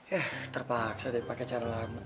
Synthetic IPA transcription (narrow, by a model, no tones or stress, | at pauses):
jaht̪ərpaksadipaket͡ʃaɾalama